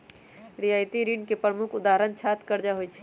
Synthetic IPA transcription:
ɾiaːjt̪iɾiɳɖkepɾəmʊkʰʊd̪aːɦɾənt͡ʃʰaːt̪kəɾd͡ʒaɦoit͡ʃʰɛ̥

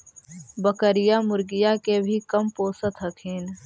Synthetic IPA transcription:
bəkəɾɪjamʊɾɡɪjakebʱikɐmpoːsət̪ɦək̪ʰiːn

